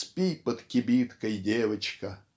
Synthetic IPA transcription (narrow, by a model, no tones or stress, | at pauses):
spʲipət̪kʲɪbʲit̪kəjdʲeʋɐt͡ɕkə